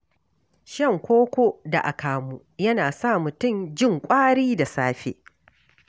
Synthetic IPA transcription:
ʃɐ˦˨ŋkʷoː˦kʷo˦da˨ʔa˨kaː˨mu˦jɐ˦naː˨sa˦˨mʊ˨tʊ˦˨md͡ʒɪ˦˨ŋkʷʼaː˦ɽiː˦da˨saː˦ɸḛ˨ʔ

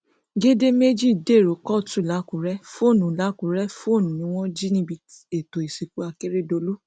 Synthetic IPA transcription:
ɡe˦de˦me˦d͡ʒi˦˨de˦˨ɾo˨˦kɔ˦˨tu˦˨la˨˦ku˨ɾɛ˦fo˦˨nũ˨la˨˦kũ˨ɾɛ˦fo˦˨nũ˨nĩ˧˦w̃ɔ̃˦d͡ʒi˦nĩ˧bi˧ | e˨to˨e˨si˨ku˦a˧ke˦ɾe˦˨do˧lu˦

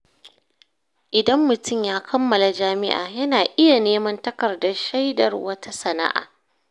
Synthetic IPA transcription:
ʔɪ˨dɐ˦mːʊ˨tʊ˦˨mjaː˦kʰɐ˦mːɐ˨la˨d͡ʒaː˦mɪ̰˦ʔa̰ː˨jɐ˦naː˨ʔɪ˦ja˨neː˦mɐ˦ntɐ˦kɐ˨rdɐ˦ʃa˦jdɐ̰˨rwɐ˦ta˦sɐ˨na̰˦ʔa̰ː˨

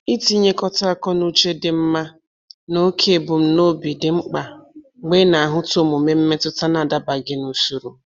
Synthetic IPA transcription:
i˦ti˦ɲe˦kɔ˦ta˦a˦˨kɔ˦nu˦t͡ʃe˦dɪ˨m̩˦ma˦ | no˦kʰe˦˨bʊ˨m̩˦no˦bi˨dɪ˨ŋ͡m̩˦k͡pa˨ | ɡ͡be˦na˨a˨ɦʊ˦to˦mo˨me˦m̩˦me˦tʊ˦ta˦na˨da˦ba˨ɡɪ˦nu˦su˦ɾu˨

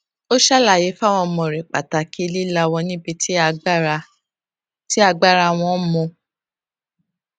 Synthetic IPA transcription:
o˦ʃa˦la˦˨je˨˦fa˦˨w̃ɔ̃˧mɔ̃˧˨ɾe˨k͡pa˨ta˨ki˦e˦˧li˦la˧wɔ˧nĩ˦bi˧ti˦a˧ɡ͡b | ti˦a˦˧ɡ͡ba˦˨ɾa˧˨w̃ɔ̃˧˦mɔ̃˧

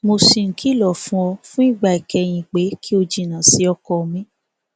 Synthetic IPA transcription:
mo˧si˧˨ŋ̩˨kʰi˦lɔ˦˨fũ˦ɔ˧fũ˦i˦˨ɡ͡ba˧˨i˨kɛ˧j̃ĩ˧˨k͡pe˨˦kʰi˦o˧d͡ʒi˨nã˨si˨˦ɔ˧kɔ˧˨˧mĩ˦

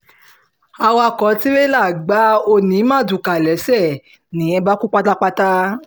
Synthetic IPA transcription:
a˧wa˧˨kɔ˨˦ti˦be˦la˦˨ɡ͡ba˨˦o˧nĩ˨˦mã˦˨du˨ka˨lɛ˨˦sɛ˦˨ | nĩ˨˦ɛ˧ba˦ku˦k͡pa˦ta˦k͡pa˦ta˦

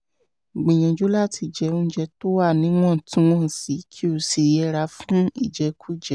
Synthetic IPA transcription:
ɡ͡bĩ˨j̃ɔ̃˨d͡ʒo˨˦la˦tʰi˧˨d͡ʒɛ˨˧˦õ˦d͡ʒɛ˧to˦wa˦˨nĩ˧˦w̃ɔ̃˦˨tũ˦w̃ɔ̃˦˨si˨˦kʰi˦o˧˨si˧˨jɛ˧˦ɾa˧˦fũ˦i˦˨d͡ʒɛ˧˦kʰu˦˨d͡ʒɛ˨

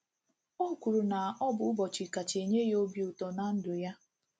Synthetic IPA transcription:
o˦kʷu˨ɾu˨na˨ɔ˦bʊ˦bɔ˨t͡ʃi˨ka˨t͡ʃe˨ɲe˦jo˦bi˨u˨tɔ˨na˨n̩˦dʊ˨ja˦

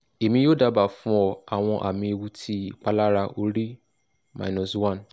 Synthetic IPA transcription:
e˨mĩ˧joː˦da˨˧ba˨fũ˦ɔ˧a˨w̃ɔ̃˧ʔa̰˨mĩ˧e˧wu˧tʰi˦i˦˨k͡pa˧la˦ɾa˧ʔo˧ɾi˦ | mã̰˨nɔ̃˨swã˦˨n˨

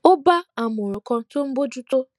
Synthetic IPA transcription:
ʊ˦ba˦a˨mʊ˨ɾʊ˨kɔ˦to˦m̩˦ɡ͡bo˦d͡ʒu˦to˦

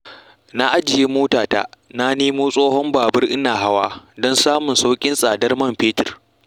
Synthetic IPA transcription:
na˦ʔa˦d͡ʒɪ˨je˦moː˦taː˨ta̰ː˦na˦neː˦moː˦sʼoː˦ɦɔ˦mbaː˨bɐ˦rʔɪ˦naː˨ɦa˦waː˦dɔ˦nsaː˦mʊ˨nsa˦wkʲʼɪ˦nsʼaː˨dɐ˦rmɐ˦˨mɸeː˦tɪ˨r

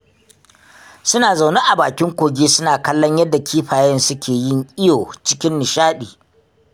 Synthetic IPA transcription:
sʊ˦naː˨za˨wna˦ʔa˨baː˨kʲɪ˦ŋkʷoː˨ɡʲeː˦sʊ˦naː˨kɐ˦lːɔ˦ɲjɐ˦dːa˨kʲʰiː˦ɸaː˨jɐ˦nsʊ˦kʲʰeː˨jɪ˦ŋʔʲʼɪ˦joː˨t͡ʃɪ˦kʲɪ˦nːɪ˨ʃaː˦ɗiː˨

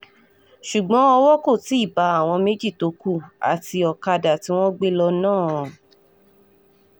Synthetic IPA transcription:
ʃu˨ɡ͡bɔ̃˨˦ɔ˧wɔ˦ko˦˨ti˨˦i˦˨ba˨˦a˦˨w̃ɔ̃˧me˨˦d͡ʒi˦˨to˨˦ku˦˨a̰˨ti˧ɔ˨ka˧da˨ti˧˦w̃ɔ̃˦ɡ͡be˦lɔ˧nãː˦˨

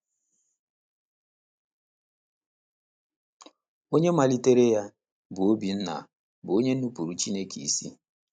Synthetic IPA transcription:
o˦ɲe˦ma˨li˦te˦ɾe˦ja˦ | bʊ˨o˦bi˨n̩˦na̰˨ | bʊ˨o˦ɲe˦n̩˦u˦pu˨ɾu˨t͡ʃi˦ne˦kʰi˨i˨si˦

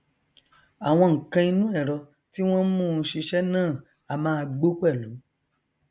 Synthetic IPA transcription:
a˨w̃ɔ̃˧ŋ̩˨kã˧i˧nũ˦ɛ˦˨ɾɔ˧ | ti˦w̃ɔ̃˦mũ˦˨˧ʃi˧ʃɛ˦nãː˦˨ | a˨mãː˦˧ɡ͡bo˦kɛ˦˨lũ˨˦

